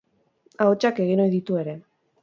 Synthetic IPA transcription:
aot͡ʃake̞ɣ̞ino̞jðit̪ue̞ɾe̞

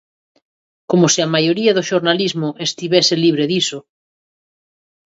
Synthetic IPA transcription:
komosiamajoɾiaðoʃoɾnalizmoʔest̪iβeseliβ̞ɾeðiso

